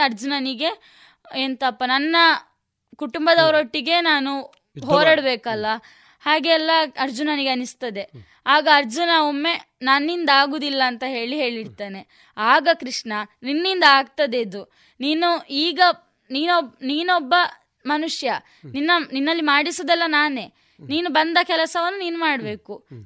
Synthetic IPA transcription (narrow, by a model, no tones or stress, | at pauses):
ɐɾd͡ʒunɐniɡe̞ | ent̪ɐpːɐnɐnːɐ | kuʈumbɐd̪ɐʋɾoʈːiɡe̞naːnu | ɦoːɾɐɽɐbeːkɐlːɐ | haːɡeːlːɐɐɾd͡ʒunɐniɡeɐnist̪ɐd̪e̞ | aːɡɐːɾd͡ʒunɐomːe̞ | nɐnːind̪aːɡuːd̪ilːɐːnt̪ɐɦe̞ːɭiɦe̞ːɭiɽt̪aːne̞ | aːɡɐkɾiʂnɐninːind̪ɐaːɡ̚t̪ɐd̪eid̪u | niːnuiːɡɐ | niːnobniːnɔbːɐ | mɐnuʂjɐ | ninːɐninːɐlːimaːɽisod̪ɛlːɐnaːne̞ː | niːnubɐnd̪ɐkɛlɐsɐʋɐnːuniːnumaːɽbe̞ːku